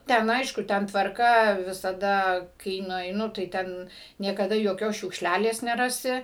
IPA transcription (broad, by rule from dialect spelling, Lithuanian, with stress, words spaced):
ˈtʲɛn ˈɐɪʃkʊ ˈtʲɛn tʋɐrˈkɐ ʋʲɪsɐˈdɐ kɐɪ nʊɛɪˈnʊ tɐɪ ˈtʲɛn nʲiɛkɐˈdɐ joːˈkʲoːs ʃʲʊkʃʲˈlʲælʲeːs nʲɛˈrɑːsʲɪ